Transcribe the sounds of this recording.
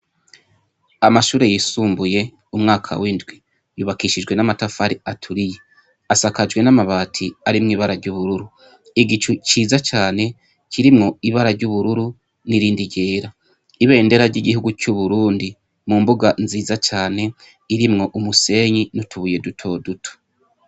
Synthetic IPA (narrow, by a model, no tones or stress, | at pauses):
amaʃuːɾejisuːmbuje̞ | umŋaːkʰa̰windɡwi | juːβakiʃid͡ʒɡwe̞namatafaɾiatʰuɾije | asakad͡ʒɡwe̞namaβaːtʰiaɾimŋiːβaɾaɾɟuβuɾuɾu | iɡit͡ʃut͡ʃiːzat͡ʃaːne̞ | cʰiɾimŋo̞iβaɾaɾɟuβuɾuɾu | niɾiːndiɟe̞ːɾa | iβe̞ːnde̞ɾaɾɟiɡihuɡucuβuɾuːndi | mumbuɡanziːzat͡ʃaːne̞ | iɾimŋo̞ʔumuse̞ːɲinutʰuβuje̞dutʰo̞ːdutʰo̥